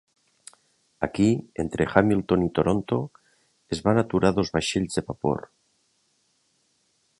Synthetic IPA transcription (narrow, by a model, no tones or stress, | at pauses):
a̰kient̪ɾʔexamilt̪onit̪oɾont̪o | ezβanat̪uɾaðo̞zβaʃeʎzðeβapo̰ɾ